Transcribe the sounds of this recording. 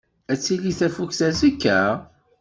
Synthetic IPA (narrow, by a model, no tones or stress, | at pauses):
æt͡sːiliθæfukθæzikːæ